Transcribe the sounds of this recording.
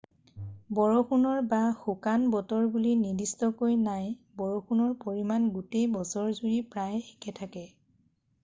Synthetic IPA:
bɔɹoxunɔɹbaxukanbɔtɔɹbulinidistɔkojnajbɔɹoxʰunɔɹpoɹimanɡutejbɔsɔɹzuɹipɹajekʰɛtʰakɛ

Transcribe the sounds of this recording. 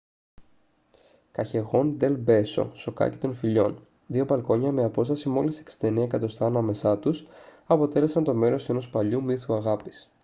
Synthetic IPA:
kɐçe̞ɣo̞nd̪e̞lbe̞so̞̰so̞kɐ̰ci̥t̪o̞nfiʎo̞̰n | ðio̞bɐlko̞ɲɐme̞ɐpo̞st̪ɐsimo̞liseksi̥t̪e̞niekɐt̪o̞st̪ɐːnɐme̞sɐt̪usɐpo̞t̪e̞le̞sɐnt̪o̞me̞ɾo̞se̞no̞spɐʎumiθuɐɣɐpi̥s

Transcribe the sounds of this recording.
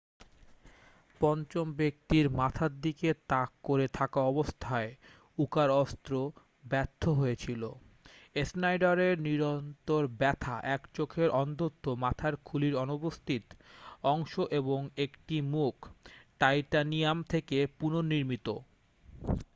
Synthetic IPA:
pɔnt͡ɕombek̚t̪iɾmat̪ʰaɾd̪iket̪akːoɾet̪ʰakaɔbost̪ʰae | ukaɾɔst̪ɾo | bɛt̪ʰːoɦoet͡ɕʰilo | esnajɖaɾeɾniɾont̪oɾbɛt̪ʰaʔɛkt͡ɕokʰeɾʔɔnt̪ot̪ʰːomat̪ʰaɾkʰuliɾɔnobost̪ʰit̪ɔŋʃoʔeboŋekʈimukʈajʈanijamt̪ʰekepunoniɾmit̪o

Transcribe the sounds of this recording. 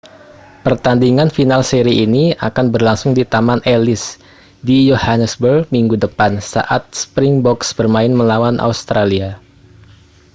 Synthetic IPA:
pərt̪andiŋanfinalseɾiʔːnia̰kanbərlaŋsʊŋdit̪amanʔelɪs | dijohanəsbərmiŋɡudəpansa̰ʔat̪̚sə̥pɾɪŋbɔksbərmaɪnməlawanʔa̰ust̪ɾalia

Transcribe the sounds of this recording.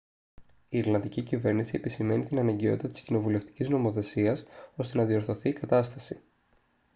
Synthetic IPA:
ieɾlɐnd̪icicive̞ɾnisie̞pisime̞nit̪inɐnɐɲɟio̞t̪it̪ɐt̪i̥scino̞vule̞ft̪i̥cizno̞mo̞θe̞siɐso̞st̪e̞nɐðio̞ɾθo̞θiːkɐt̪ɐst̪ɐsi

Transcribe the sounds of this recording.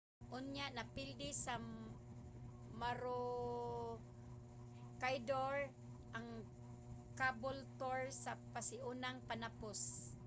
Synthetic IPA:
ʔʊnjaʔnapɪld̪ɪsa | maɾo | kajd̪oɾ | ʔaŋ | kabʊlt̪oɹsapasɪʔunaŋpanapʊs

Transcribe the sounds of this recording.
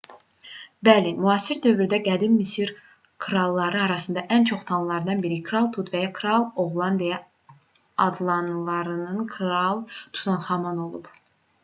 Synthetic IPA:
bælimuɑsiɾd̪ø̞vɾyd̪æɡæd̪immisiɾ | kʰɾɑlˠːɑɾɯɑɾɑsɯnd̪ɑʔænt͡ʃʰo̞χt̪ʰɑnlˠɑɾd̪ɑnbiɾikʰɾɑlˠt̪ʰut̪væjɑkʰɾɑlˠo̞ʁlˠɑnd̪ijɑ | ɑd̪lˠɑnlˠɑɾɯnɯnkʰɾɑlˠt̪ʰu̥t̪ʰɑnχɑmɑno̞lˠub̥

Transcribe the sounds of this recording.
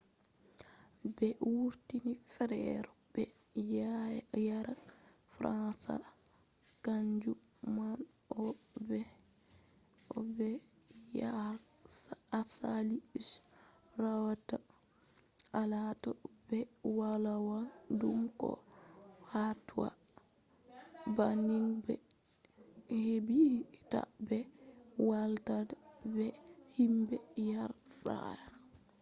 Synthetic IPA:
bɛwuɾtinifɾɛ̰ɾɔb̥ɛ | jaɾa | fɾansa̰ | kaɲd͡ʒuman | ɔbɛ | ɔbɛ | j | asalis | rawata | alatɔbɛwalawandumkɔ̰ | hatuwa̰ | baniŋbɛ | hebihta̰bɛwaltadabɛhimbɛjaɾɗa̰ɾ

